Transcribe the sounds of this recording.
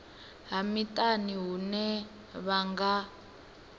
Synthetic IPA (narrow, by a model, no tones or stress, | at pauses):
ɦamitʼaniɦunɛ | βaŋɡa